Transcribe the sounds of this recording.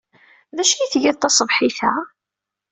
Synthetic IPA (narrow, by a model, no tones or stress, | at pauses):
ðæʃjiθʝæðt̪ɑsˤəvħiθæ